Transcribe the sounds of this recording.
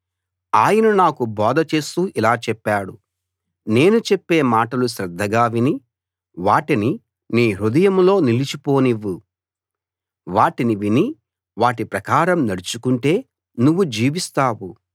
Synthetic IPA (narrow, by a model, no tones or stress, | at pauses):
aːjɐnunaːkubɔːd̪ɐt͡ʃe̞ːst̪uːʔilaːt͡ʃɛpːaːɽu | ne̞ːnut͡ʃepːe̞ːmaːʈɐluʃɾɐd̪ʱːɐɡaːʋini | ʋaːʈini | niːɾud̪ɐjɐmlo̞ːnilit͡ʃipo̞ːniʋːu | ʋaːʈiniʋini | ʋaːʈipɾɐkaːɾɐmnɐɽut͡ʃukuɳʈe̞ː | nuʋːud͡ʒiːʋist̪aːʋu